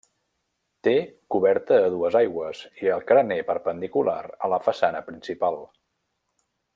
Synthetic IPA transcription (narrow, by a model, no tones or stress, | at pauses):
t̪ekuβɛɾt̪əːðuəzajɣwəziəlˠkɾənepəɾpənd̪ikula̰ɾə̰ləfəsanəpɾinsipalˠ